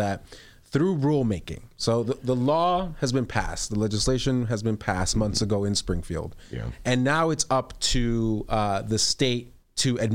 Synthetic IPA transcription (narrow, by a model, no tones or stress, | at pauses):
ɨt̚ | θɹuɹulˠmeɪkɪ̰̃ŋsoʊðəðəlɔɨzbɨ̃npʰæ̰s̚ðəlɛd͡ʒɨsleɪʃɨ̃nɨzbɨ̃npʰæsmʌ̃nθsɨɡoʊɨ̃nspɹɪ̃ŋfḭlˠd̥̰ɨ̃nːaʊɨtsʌptʰɨ | ðɨsteɪtʰɨɨd̚